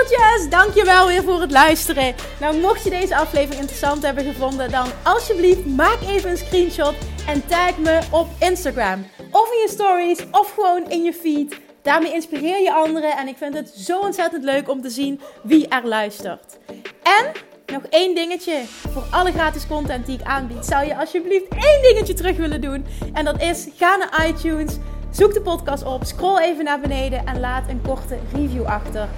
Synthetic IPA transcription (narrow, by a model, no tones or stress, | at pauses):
t͡ʃɛsdɑŋkjəʋɛlˠʋɪːɹvʊːrɦətlœɥstərə | nawmɔxtjədejzəɑflejvərɪŋɪntrəsɑntɦɛbənɣəvɔndədɑnɑlˠsjəbliftmaːkejvənənskrinʃɔtɛntɛlkməɔpɪnstaɡraːmɔfɪnjəstɔɹisɔfxəʋownɪnjəfit | d̥aːɹmejɪnspirɪːɹjəʔɑndərəɛnɪkfɪntɦətzowɔntsɛtəntløɥkɔmtəzinʋiʔɛɹlœɥstə̰rt | ɛnː | ɔxejndɪŋət͡ʃəv̥ʊːɹʔɑləɣraːtɪskɔntɛnt̚diɪkaːnbitsʌwjəɑlˠsjəbliftejndɪŋət͡ʃətərɵxʋɪləndunʔɛndɑtɪs | ɣaːnaːʔɑjtuns | z̥uk̚dəpɔtkɑːstɔpskroːlˠejvənaːɹbənejdəʔɛnlaːtənkɔɹtərivjuʔɑxtər